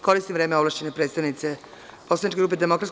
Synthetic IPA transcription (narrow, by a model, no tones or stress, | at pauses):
ko̞ɾist̪imʋɾeːmeoʋlˠaʃt͡ɕenepɾeːt̪st̪aʋnit̪se | po̞slˠanit͡ʃkeɡɾuːped̪emo̞kɾat̪s